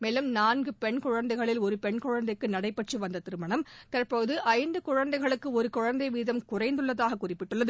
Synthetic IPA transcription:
meːlɐmnaːnɡɯpɛɳkʊɻɐnd̪ɐɪɣɐɭɪlɔɾɯpɛɳkʊɻɐnd̪ɐɪkːɯnɐɽɐɪpːɐʈt͡ʃrɯʋɐnd̪ɐt̪ɪɾɯmɐɳɐmt̪ɐrpoːðɯʔɐɪnd̪ɯkʊɻɐnd̪ɐɪɣɐɭɯkːɯɔɾɯkʊɻɐnd̪ɐɪʋiːðɐmkʊrɐɪnd̪ɯɭːɐðaːɣɐkːʊrɪpːɪʈːɯɭːɐðɯ

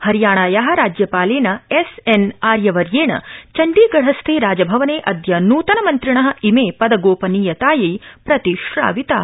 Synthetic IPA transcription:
hɐɾjaːɳaːjaːɦɐ̆ɾaːd͡ʒjɐpaːleːnɐesenaːɾjɐʋɐɾjeːɳɐ̰t͡ʃɐɳɖiːɡɐɽ̤ɐst̪ʰeːɾaːd͡ʒɐbʱɐʋɐneːʔɐd̪ʱjɐnuːt̪ɐnɐmɐnt̪ɾiɳɐɦɐ̆imeːpɐd̪ɐɡoːpɐniːjɐt̪aːjɐjpɾɐt̪iʃɾa̰ːʋit̪a̰ː

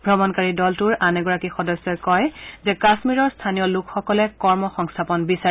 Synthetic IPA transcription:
bʱɹɔmɔnkaɹidɔltuɹanɛɡɔɹakixɔdɔsːɔkɔjzɛkasmiɹɔɹstʰanijɔlʊkʰxɔkɔlɛkɔɹmɔxɔŋstʰapɔnbisa

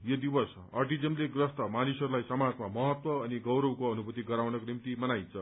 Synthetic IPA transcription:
jod̪ibʌs | ʌ̰rʈid͡zemleɡrʌst̪ʌmanisʌɾulajsʌmad͡zmamʌɦʌt̪wʌːniɡʌwɾʌwkoʌnubʌt̪iɡʌɾawnʌkonimt̪imʌnajt͡sʰʌ

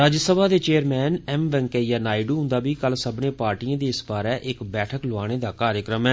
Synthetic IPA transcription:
ɾaːd͡ʒsəbʱaːd̪eːt͡ʃeːəɾmɛːnɛːmʋɛ̃ŋkeːjaːnaːɪɖuːɦʊ̃nd̪aːbiːkəlsəbnẽːpaːɾʈiːãːd̪eːɪsbaːɾɛːʔɪkbɛːʈʰəkloaːɽ̃eːd̪aːkaːɾjəkɾəmɛː

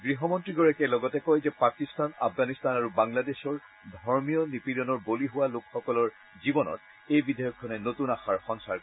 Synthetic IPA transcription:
ɡɹiɦɔmɔntɹiɡɔɹakɛlɔɡɔtɛkojzɛpakistana̰pʰɡanistanaɹubaŋladesɔɹ | dʱɔɹmijɔnipiɾɔnɔɹboliɦʊwalokxɔkɔlɔɹ | zibɔnɔ̰t | ejbidʱɔjɔkʰːɔnɛnotunaxaɹxɔŋsaɹ

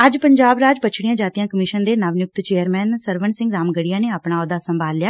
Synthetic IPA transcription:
əd͡ʒpəɲd͡ʒaːbɾaːd͡ʒpət͡ʃʰɽijãːd͡ʒaːt̪ijãːkəmɪʃənd̪eːnəʋnjʊk̚t̪t͡ʃeːəɾmɛːnsəɾʋənsɪ̃ŋɡɾaːmɡəɽijãːneːapɳaːoːd̪aːsəmbʱaːlːɪjaː

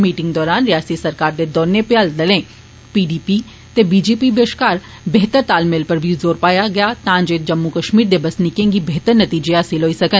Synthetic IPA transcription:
miːʈɪ̃ŋɡd̪ɔːɾaːnɾijaːsisɐɾkaːɾd̪ed̪ɔːɾnepeaːld̪ɐlẽː | piːɖiːpi | t̪ebiːd͡ʒeːpibeːʃkaːɾ | beɦt̪əɾt̪aːlmeːlpɐɾbʱizoːɾpaːjaɡɐjat̪ãːnd͡ʒeːt̪̚d͡ʒɐmːukɐʃmiːɾd̪ebɐsnɪkẽːɡibeɦt̪əɾnɐt̪iːd͡ʒeaːsilɦoːisɐkən

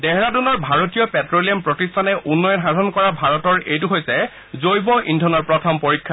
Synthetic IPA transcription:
dɛɦɛɹadunɔɹbʱaɹotijɔpɛtɹoliɔmpɹɔtistʰanɛʔunːɔjɔnɦadʱɔnkɔɹabʱaɹɔtɔɹejtuɦojsɛ | zojbɔʔindʱɔnɔɹpɹɔtʰɔmpoɹikʰːa

